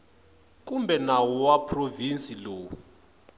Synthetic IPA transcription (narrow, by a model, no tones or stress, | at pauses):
k̬ʼumbʱɛnawɔwapʰrovinsiloːwu